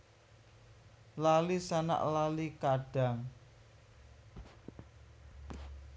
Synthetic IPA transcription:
lalisana̰ʔlalikaɖ̥a̤ŋ

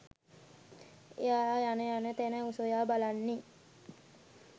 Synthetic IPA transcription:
ejaːajanəjanət̪enəusojaːbalanːi

